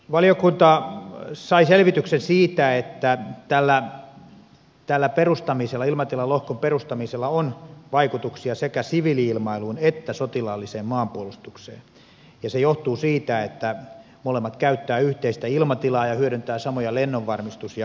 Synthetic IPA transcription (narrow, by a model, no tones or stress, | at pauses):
ʋɑlijokunt̪ɑ | sɑiselʋit̪yksensiːt̪æet̪ːæt̪ælːæ | t̪ælːæperust̪ɑmiselːɑilmɑt̪ilɑlohkomperust̪ɑmiselːɑonʋɑikut̪uksiɑsekæsiʋiliilmɑiluːnet̪ːæsot̪ilɑlːiseːmmɑːmpuolust̪uksḛːn | jɑsejoht̪uːsiːt̪æet̪ːæ | molemːɑt̪kæyt̪ːæːyht̪eist̪æilmɑt̪ilɑːjɑhyøɾynt̪æːsɑmojɑlenːoʋʋɑrmist̪usijɑ